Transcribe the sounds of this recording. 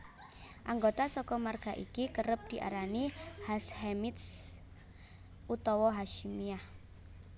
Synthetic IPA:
ʔaŋɡot̪asɔkɔmarɡ̥a̤ʔikikəɾəp̚d̪̥i̤ʔa̰ɾanihashemit̪s | ʔut̪ɔwɔɦaʃimiah

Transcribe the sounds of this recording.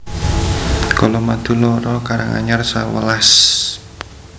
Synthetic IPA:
kɔlɔmad̪̥ṳlɔɾɔkaɾaŋa̰ɲərsawəlas

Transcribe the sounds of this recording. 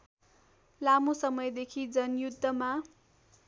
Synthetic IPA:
lamosʌmʌjd̪ekʰid͡zʌnjud̪ʱːʌma

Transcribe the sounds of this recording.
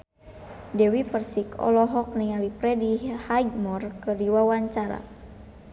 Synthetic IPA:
dɛwipərsikɔ̰lɔɦɔk̚nialipɾɛdihajdmɔrkɨrdiwawaɲt͡ʃaɾa̰

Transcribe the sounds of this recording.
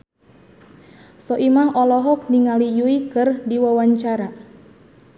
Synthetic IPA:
sɔʔimaɦɔlɔɦɔk̚niŋalijuikɨrdiwawaɲt͡ʃaɾa

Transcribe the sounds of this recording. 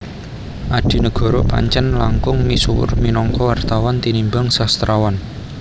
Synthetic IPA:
ʔaɖ̪̥i̤nəɡ̥ɔ̤ɾo̰pa̰ɲt͡ʃənlaŋkʊŋmisuwʊ̰rminɔŋkɔwart̪awɔnt̪inimbaŋsast̪ɾawan

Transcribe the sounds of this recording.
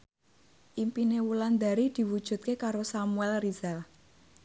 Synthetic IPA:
ʔimpinewuland̪a̤ɾid̪̥i̤wud̥ʒ̥ṳt̪̚kekaɾosamuɛlrizal

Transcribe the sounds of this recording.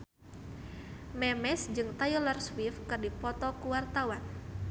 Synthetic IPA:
mɛmɛsd͡ʒɨŋt̪ajɔlɔrswifkɨrdipɔt̪ɔkuwart̪awan

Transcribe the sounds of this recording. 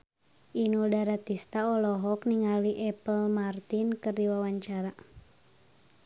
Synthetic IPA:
ʔinudaɾat̪ist̪aɔlɔɦɔkniŋaliʔɛpəlmart̪inkərdiwawaɲt͡ʃaɾa

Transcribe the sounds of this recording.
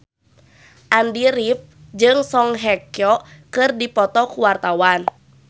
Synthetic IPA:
ʔandiɾip̚ | d͡ʒɨŋsɔŋɦɛkjɔkɨrdipɔt̪ɔkuwart̪awan

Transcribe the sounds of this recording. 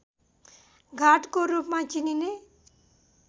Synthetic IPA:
ɡʱaːʈkoɾuːpmãt͡ʃinine

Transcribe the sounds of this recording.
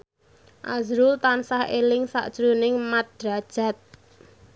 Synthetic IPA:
ʔazɾult̪ansahelɪŋsa̰ʔd̥ʒ̥ɾunɪŋmad̥ɾad̥ʒ̥a̤t̪̚

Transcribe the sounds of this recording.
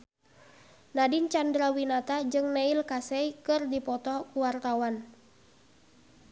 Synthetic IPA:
nadint͡ʃandɾawinat̪ad͡ʒɨŋnɛilkasɛjkɨrdipɔt̪ɔkuwart̪awan

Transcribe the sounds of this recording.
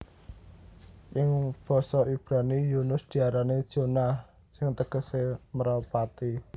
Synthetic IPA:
ʔɪŋb̥ɔ̤sɔib̥ɾanijunʊsd̪̥i̤aɾaned̥ʒ̥ona | sɪŋt̪əɡ̥ə̤seməɾapat̪i

